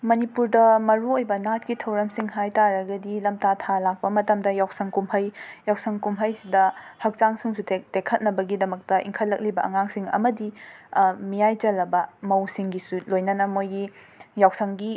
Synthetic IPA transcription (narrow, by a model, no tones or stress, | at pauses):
mɐnipuɾdɐmɐɾuojbɐnat̚kitʰɐwɾɐmsiŋhajtaɾɐɡɐdilɐmtatʰalak̚pɐmɐtɐmdɐjawsɐŋkumhɐjjawsɐŋkumɦɐjsidɐhɐk̚t͡ʃaŋsuŋsuttekʰɐt̚nɐbɐɡidɐmɐk̚tɐʔḭŋkʰɐtlːɐk̚libɐʔɐŋaŋsiŋɐ̰mɐdi | mijajd͡ʒɐlɐbɐmɐwsiŋɡisulojnɐnɐmojɡi | jawsɐŋɡi